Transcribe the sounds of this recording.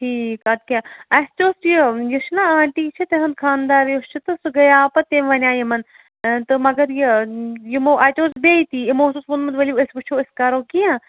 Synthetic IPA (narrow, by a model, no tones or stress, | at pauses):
ʈʰiːkɐt̪̚kʲjaːɐst͡ʃoːsjijiʃnaãːɳʈiːt͡ʃʰit̪eɦɐnd̪kʰaːnd̪aːɾjost͡ʃʰit̪ɨsɨɡɐjaːpɐt̪eːmʋɐnʲaːjimɐn | t̪ɨmɐɡɐɾjijimoːʔɐt͡ʃoːsbeːjt̪iːimoːsusmunmɨnt̪ʋɐliɐsbɨt͡ʃʰoɪskaɾoːkijã